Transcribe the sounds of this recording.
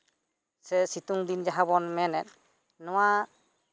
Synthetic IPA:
sɛsit̪uŋd̪ind͡ʒaɦabɔnmɛnɛt̪̚ | nɔwa

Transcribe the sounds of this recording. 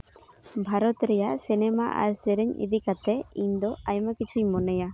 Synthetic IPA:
bʱaɾɔt̪ɾɛjaʔsinɛmaʔa̰ɾsɛɾɛɲḭd̪ikat̪ɛiɲd̪ɔajmakit͡ʃʰuɲmɔnɛja

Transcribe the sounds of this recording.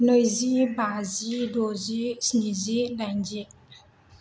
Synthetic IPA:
nojzibazidozisnizidand͡ʒi

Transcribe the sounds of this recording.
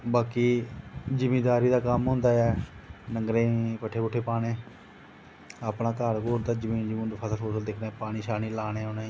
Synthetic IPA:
baːkiːd͡ʒəmeːd̪aːɾiːd̪aːkəmɦõːnd̪aːɛːnəŋɡɾẽːpəʈʰːeːbʊʈʰːeːpaːɽeː | aːpnaːkaːɾkoːɾd̪aːd͡ʒəmĩːnd͡ʒəmĩːd̪pʰəsəlɦoːsəld̪eːkʰneːpaːɽ̃iːʃaːniːlaːneːɦoːnẽ

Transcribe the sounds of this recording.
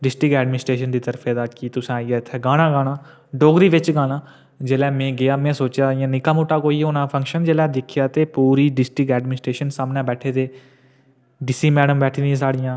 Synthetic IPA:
ɖɪsʈɾɪkɛːɖmɪnɪsʈɾeːʃənd̪iːt̪əɾpʰeːd̪aːkit̪ʊsãːaːɪaːɪt̪ʰːɛːɡaːɽãːɡaːnaː | ɖoːɡɾiːʋɪt͡ʃɡaːnãː | d͡ʒeːlɛːmẽːɡɪjaːmɛ̃ːsoːt͡ʃjaːjãːnɪkaːmoːʈːaːkoːiːɦoːnãːpʰə̃ŋkʃənd͡ʒeːlɛːd̪ɪkʰɪjaːt̪eːpuːɾiːɖɪsʈɪkɛːɖmɪnɪsʈɾeːʃənsaːmnãːbɛːʈʰeːd̪eː | ɖɪsiːmɛːɖəmbɛːʈʰinĩːs̬aːɽɪjãː

